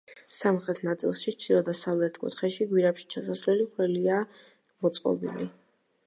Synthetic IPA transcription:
samχɾɛt̪ʰnat̪sʼḭlˠʃit͡ʃʰidˠɔd̪asavlɛɾt̪ʰkʼṵt̪ʰχɛʃiɡwiɾapʃi̥t͡ʃʰasasvlɛliχɾɛlia | mɔt̪sʼqʼɔ̰bḭli

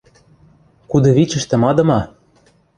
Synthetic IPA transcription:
kud̪ɤ̆βit͡ɕɘ̆ʃt̪ɘ̆mɑd̪ɤ̆mɑ

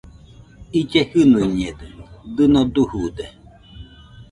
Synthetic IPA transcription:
id͡ʒehɨnuiɲed̪ɨd̪ɨnod̪uhud̪e

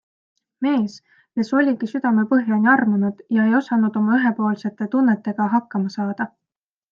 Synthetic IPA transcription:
me̞ːs | keso̞lʲikisyd̪̥ɑme̞pɤɦjɑnʲiɑrmunud̪̥jɑe̞jo̞sɑnud̪̥o̞mɑyɦe̞po̞ːlse̞t̪ːˑe̞t̪unːet̪ːˑe̞ɡ̥ɑɦɑkːɑmɑsɑːd̪̥ɑ

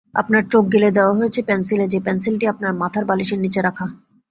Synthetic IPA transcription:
a̰pnaɾt͡ɕok̚ɡeled̪eoaɦojet͡ɕʰepɛnsiled͡ʑepɛnsilʈiap̚naɾmat̪ʰaɾbaliʃeɾnit͡ɕeɾakʰa

